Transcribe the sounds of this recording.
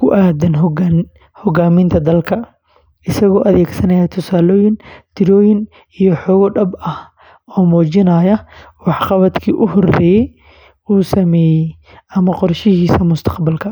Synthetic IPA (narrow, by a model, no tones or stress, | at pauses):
kʰʊʔaːd̪ɐnɦ | hɔɡaːmɪnt̪ʰɐd̪ɐlkʰɐ | ʔɪsɐɣɔːʔɐðɛːɡsɐnɐjɐt̪ʰʊsaːlɔːjɪnt̪ʰɪɾɔːjɪn | ijɔħɔːɣɔɖɐbɐ | ɔːmɔːt͡ʃɪnɐːjɐwɑħqɑβɐd̪kʰḭːʔʊɦɔrɛːjɛj | uːsɐmɛːjɛj | ɐmɐqɔrʃɪɦiːsɐmʊst̪ʰɐ̥qbɐlkʰɐ